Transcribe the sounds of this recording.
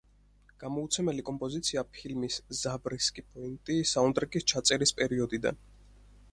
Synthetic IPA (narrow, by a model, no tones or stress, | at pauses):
ɡ̥amɔut̪sʰɛmɛlikʼɔmpʼɔzit̪sʰiapʰilmiszabɾiskʼipʰɔint̪ʼisaɔnd̪ʼɾɛkʼist͡ʃʰat̪sʼɛɾispʼɛɾiɔd̪id̪a̰n